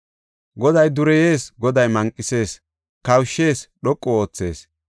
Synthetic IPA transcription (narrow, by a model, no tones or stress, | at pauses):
ɡɔd̪ɐjd̪ʊɾɛje̞ːsɡɔd̪ɐjmɐŋkʼːɪse̞ːs | kɐwʃːe̞ːsɗɔkʼːɔoːt͡sːe̞̰ːs